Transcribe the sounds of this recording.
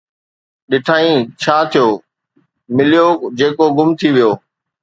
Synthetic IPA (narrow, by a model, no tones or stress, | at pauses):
ɗɪʈʰaːĩt͡ɕʰaːt̪ʰijoː | mɪlijod͡ʑeːkoɡʊmt̪ʰiʋijoː